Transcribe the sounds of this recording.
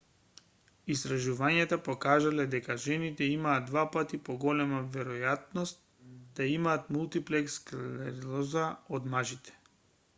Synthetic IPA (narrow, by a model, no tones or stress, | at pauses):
ist̪ɾaʒuvaɲat̪apɔkaʒalɛd̪ɛkaʒɛnit̪ɛimaːd̪d̪vapat̪ipɔɡɔlɛmavɛɾɔjat̪̚nɔst̪̚ | d̪̥aimaːt̪mulˠt̪iplɛkskalɛɾilˠɔzaod̪maʒit̪ɛ̥